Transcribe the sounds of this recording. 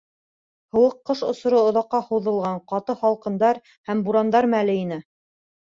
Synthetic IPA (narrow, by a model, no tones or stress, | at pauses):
hɤ̆wɤqːɤʃŏsŏɾɤŏðɑqːɑhɤ̆wðɤ̆lˠʁɑɴqɑt̪ɤhɑlˠqɤ̆nd̪ɑɾ | hæmbuɾɑnd̪ɑɾmælɘinɘ